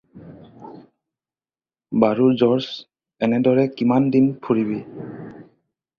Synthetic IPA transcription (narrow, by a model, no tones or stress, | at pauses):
baɹuɹzɔɹs | ɛnɛdɔɹɛkimandinpʰuɹiβi